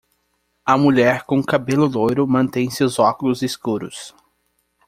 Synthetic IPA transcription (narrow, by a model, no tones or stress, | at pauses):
ɐmuʎɛɾkõkabelʊd̪ojɾʊmɐ̃nt̪ẽj̃seʊzɔkʊlʊziskuɾʊs